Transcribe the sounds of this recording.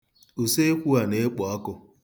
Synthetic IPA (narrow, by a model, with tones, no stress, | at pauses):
u˨se˦kʷu˦a˨ne˦k͡pɔ˨ɔ˦kʊ˨